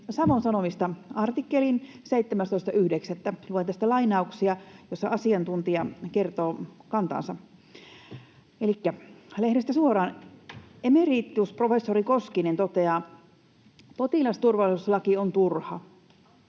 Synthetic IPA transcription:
sɑʋonsɑnomist̪ɑɑrt̪ikːelin | seijt̪ːemæst̪oist̪ɑʔyhdekset̪ːæluet̪æst̪ælɑinɑuksiɑjosːɑɑsiɑnt̪unt̪iɑkert̪oːkɑnt̪ɑ̰ːnsɑ | elikːælehdest̪æsuoɾɑːn | emeriːt̪ːˑiusprofesːoɾikoskinent̪ot̪eɑː | pot̪ilɑst̪urʋɑlisuslɑkiont̪urhɑ̰

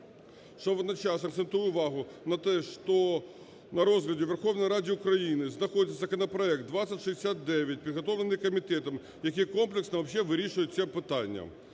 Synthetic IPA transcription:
ʃt͡ʃɔʋɔd̪nɐt͡ʃɑsɐkt̪sent̪ujʊʊʋɑɦʊnɐt̪ɛʂt̪ɔ | nɐɾɔzɦlʲɐdʲɪʋerxɔwnɔjɾɑdʲɪʊkɾɐjinɪznɐxodʲɪt̪sʲɐzɐkɐnɐpɾɐɛk̚t̪̚d̪ʋat̪sʲɐtʲʂɨzd̪ʲɪsʲat̪̚d̪ɛʋʲjɐt̚ʲpʲid̪ɦɐt̪oʋlenɨjkɔmʲit̪ɛt̪ɐm | jɐkʲijkomplʲˠɪksnɐʋɐpɕːɛʋɪɾʲiʂʊjʊt̚ʲsʲɛpɪt̪ɑnʲːɐ̰

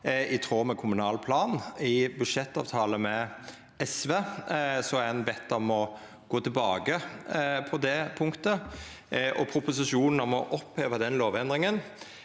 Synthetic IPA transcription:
ɪt̪ʰʁoːmɛkʰʊmʉnɑːlpʰlɑːnɪbʉd̪ʂɛt̪ːɑ̰ːʋt̪ʰɑːləmɛ | ɛsʋeːsɔæɛnbɛt̪ːɑmɔ | ɡ̥oːt̪ʰɪlbɑːɡəpʰɔd̪ɛpʰʊŋkt̪ə | ʔɔ̰pʰɾʊpʊsɪʂuːnənɑmɔʔɔpheːʋəd̪ɛnloːʋɛnd̪ɾɪŋən

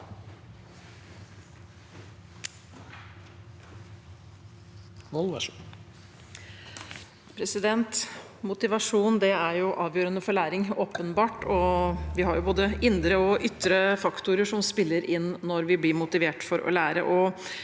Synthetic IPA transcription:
ʋɔl | pʰɾɛsɪd̪ɛnt̪mʊt̪ɪʋɑʂuːnd̪ɛæɾjʊʔɑːʋjøːɾənəfɔɭæːɾɪŋoːpənbɑːʈɔʋɪhɑɾjʊboːd̪əʔɪnd̪ɾəɔʔʏt̪ːɾəfɑkt̪ʊɾəʂɔmspɪlːəɾʔɪnːɔɾʋɪblɪmʊt̪ɪʋeːʈfɔɾɔ̰læːɾə̰ʔɔ

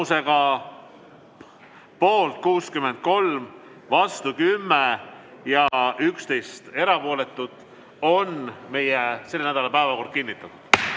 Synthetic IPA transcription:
use̞ɡɑ | po̞ːlt̪̚ˑkuːskymːe̞nd̪̥̚ko̞lm | vɑst̪ukymːejɑykst̪e̞jst̪e̞ɾɑpo̞ːle̞t̪ːˑud̪̥ˑ | o̞nme̞jese̞lːenæd̪ɑlɑpæevɑko̞rd̪̥̚kinːit̪ːˑɑt̪ːˑud̪̥

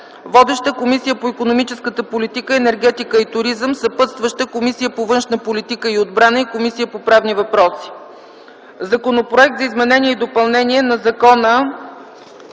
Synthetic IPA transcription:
vɔd̪ɛʃt̪əkomisijəpoikonomit͡ʃɛskət̪əpolit̪ikəɛnɛɾɡɛt̪ikəit̪ʊɾizəmsəpɤt̪st̪vəʃt̪əkomisijəpovɤnʃnəpolit̪ikəiod̪̚bɾanəikomisijəpopɾavnivɐpɾɔsi̥ | zɐkonopɾoɛk̚t̪zɐizmɛnɛnʲiɛid̪opɐlˠnɛniɛnɐzɐkɔnə

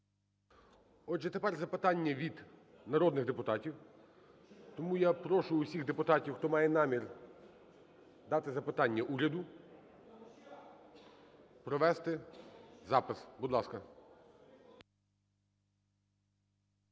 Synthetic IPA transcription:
ɔdʒɛt̪epɛrzɐpɪt̪ɑnʲːɐʋʲid̪ | nɐɾɔd̪nɪɣd̪epʊt̪ɑtʲiw | t̪ɔmujapɾɔʃʊːsʲiɣd̪epʊt̪ɑtʲiwxt̪ɔmɑjɛnɑmʲir | d̪ɑt̪ɪzɐpɪt̪ɑnʲːɐʔuɾʲɐd̪ʊ | pɾɔʋɛst̪ɪzɑpɪsbud̪lˠɑskɐ

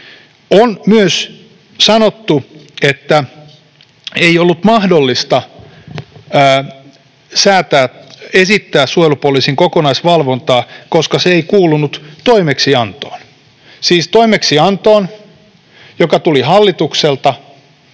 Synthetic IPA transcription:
onmyøs | sɑnot̪ːuet̪ːæ | eijolːut̪mɑhdolːist̪ɑ | sæːt̪æːesit̪ːæːssuolupuolisiŋkokonɑisʋɑlʋont̪ɑːkoskɑseeikuːlːunut̪t̪oimeksiɑnt̪o̰ːn | siːst̪oimeksiɑnt̪oːn | jokɑt̪ulihɑlːit̪ukselt̪ɑ

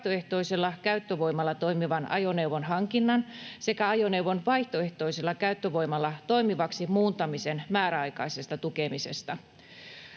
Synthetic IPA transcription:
t̪oe̞ht̪o̞iselːɑkæyt̪ːøʋo̞jmɑlːɑt̪o̞jmiʋɑnɑ̰jone̞uʋonɦɑŋkinːɑnse̞kæɑjoneuwʋonʋɑiht̪oe̞ht̪o̞iselːɑkæyt̪ːøʋo̞jmɑlːɑt̪o̞imiʋɑksimuːnt̪ɑmisenmæːɾæɑjkɑisest̪ɑt̪ukemisḛst̪ɑ

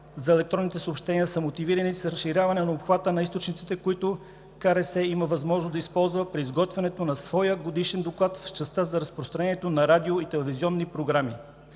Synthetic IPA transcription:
zɐɛlɛkt̪ɾɔnit̪ɛsoːpʃt̪ɛniəsəmot̪iviɾənisɾɐsʃːiɾʲjavɐnɛnɐopxvat̪ənɐist̪ot͡ʃnit̪sit̪ɛkoit̪ʊ | kaɾɛsɛiməvɐzmɔʒnozd̪ɐispɔlˠzvəpɾiːzɡɔt̪vɛnɛt̪onɐsvɔjəɡod̪iʃɛnd̪oklˠat̪ft͡ʃɛst̪əzɐɾɐspɾost̪ɾɐnɛiɛt̪onɐɾad̪ioit̪ɛlɛviziɔnːipɾoɡɾami

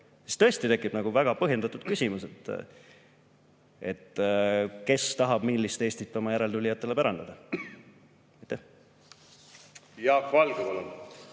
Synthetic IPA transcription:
si̥st̪ɤ̞est̪it̪e̞kːˑib̥nɑɡ̥uvæɡ̥ɑpɤ̞ɦje̞nd̪̥ɑt̪ud̪̥̚kysʲimuset̪ːˑ | e̞t̪ːˑ | ke̞st̪ɑɦɑb̥milːist̪e̞ːsʲt̪it̪ːˑomɑjæɾe̞lt̪ulʲijɑt̪ˑːe̞le̞pæɾɑnd̪̥ɑd̪ɑ | ɑjt̪ːæh | jɑvɑlɡ̥eɑlum

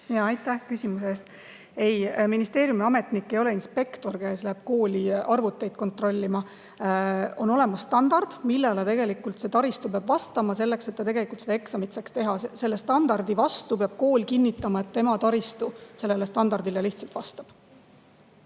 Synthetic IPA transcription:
jɑɑjt̪ːˑæhkysʲimuseːst̪ | e̞jminist̪e̞ːɾjumiɑme̞t̪nikːejo̞le̞inspe̞kt̪o̞rkæːslæb̥̚ko̞ːlʲiɑrvut̪ːˑe̞jd̪̥ko̞nt̪ro̞lʲːimɑ | o̞no̞le̞mɑsːt̪ɑnd̪̥ɑrd̪̥milːelet̪e̞ɡe̞likːˑult̪se̞t̪ɑɾist̪upeɑb̥vɑst̪ɑmɑse̞lːe̞kse̞t̪ːɑt̪eɡelikult̪se̥ɑeksɑmit̪sɑkst̪e̞ɦɑsese̞lːest̪ɑnd̪ɑrd̪̥ivɑst̪upeɑb̥̚ko̞ːlʲkinʲːit̪ːˑɑmɑet̪ːe̞mɑt̪ɑɾist̪use̞lːelest̪ɑnd̪ɑrd̪ileliht̪sɑlt̪vɑst̪ɑb̥

